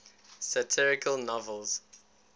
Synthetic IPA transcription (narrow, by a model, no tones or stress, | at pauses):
sətʰɪɹɪkʰəlˠnɔvəlˠz̥